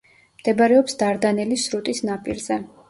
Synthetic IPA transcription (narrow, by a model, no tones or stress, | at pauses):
md̪̥ɛbaɾɛɔpsd̪aɾd̪anɛlisɾut̪ʼisnapʼḭɾzɛ